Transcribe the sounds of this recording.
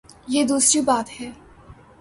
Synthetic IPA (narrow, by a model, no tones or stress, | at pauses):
jeːd̪uːsɾibaːt̪hɛː